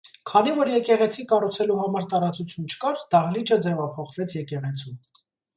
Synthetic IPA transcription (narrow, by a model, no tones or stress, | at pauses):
kʰɑnivɔɾjɛkɛʁɛt͡sʰikɑrut͡sʰɛluhɑmɑɾt̪ɑɾɑt͡sut͡sʰjunt͡ʃʰə̥kɑɾd̪̥ɑhlit͡ʃəd͡zɛvɑpʰɔχvɛt͡sʰjɛkɛʁɛt͡sʰu